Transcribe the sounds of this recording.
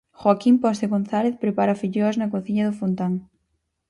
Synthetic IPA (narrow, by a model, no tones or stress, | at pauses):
xwakimpɔst̪eɣonθaleθpɾepaɾɐfiʎoɐznɐkoθiɲɐðʊfont̪aŋ